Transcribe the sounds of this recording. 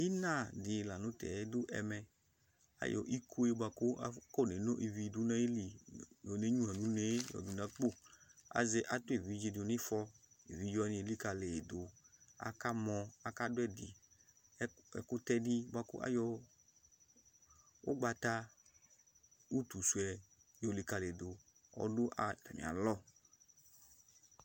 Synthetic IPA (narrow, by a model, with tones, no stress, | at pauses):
i˦nã˦˨dɪ˨la˨nũ˨˦tɛ̰˨˦du˦ʔɛ̰˧mɛ˧ | a̰˨˦jʔɔ̰˧˨ʔi˦kʰo˦e˦ba˧ku˦a˦ko˦˨ne˨˦no˦ʔi˨vi˨˧˨du˨˦na˦je˦li˨jo˨ne˦ɲu˦a˨nu˨˦ne˦jɔ̰˨du˨na˨˦k͡po˦˨a̰˨ze˧ʔa˨tu˦e˨vi˨˦d͡ʒe˧do˨ni˦fɔ˧ḭ˨vi˨˦d͡ʒɔ˧˦nĩ˧e˨li˦ka˧le˨do˨a̰˨ka˦mɔ˧a˨ka˦dʊ˦ɛ˦˨di˨˦ | ɛ̰˨ku˦tɛ˧di˦ba˧kṵ˦ʔa̰˦jɔ˧ | o̰˦ɡ͡ba˧ta˧ | u˦tu˨su˨ɛ˧ | jo˨˧˨li˧ka˧le˨do˨ | ɔ̰˧du˦ʔa˨ka˨nḭ˨a̰˨lɔ˦˨